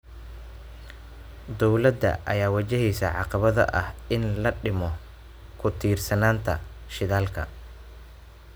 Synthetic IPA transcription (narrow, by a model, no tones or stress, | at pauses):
d̪ɔwlɐd̪ːɐ̰ʔɐ̰jaːwɐt͡ʃɛɦiːsɐ̰ʕɑ̰qɑβɐðɐ̰ʔɐhɪnlɐɖɪmɔ | kʰʊt̪ʰiːrsɐnaːnt̪ʰɐ̰ʃɪðaːlkʰɐ̰